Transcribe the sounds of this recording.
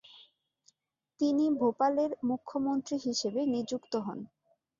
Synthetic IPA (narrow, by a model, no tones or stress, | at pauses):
t̪inibʱopaleɾmukʰːomont̪ɾiɦiʃebenid͡ʑukt̪oɦɔ̰n